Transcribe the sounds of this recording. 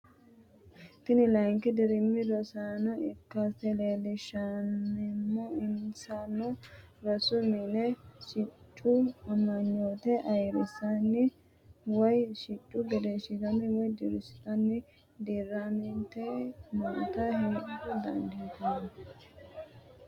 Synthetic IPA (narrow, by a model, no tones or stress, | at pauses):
t̪ɪnɪlɐjŋkɪd̪ɪɾɪmːɪd̪ɔsanɐʔɪkːastɛleːlɪʃanːɛmːoɪnsanːɔ | ɾɔsʊmɪnɛʃɪt͡ʃʼːʊɐmːɐɲːoːt̪ɛʔɐjɾɪsːɐnːɪ | wɔjʃɪt͡ʃʼːʊɡɛd̪eʃɪd̪ɐnːɪwɔjd̪ɪɾɪsɪt̪ɐnːɪ | d̪iːrːamɪnt̪ːɛmɐʔt̪ɐhɛnɡʊd̪ɐ̰nd̪iːt̪ɐn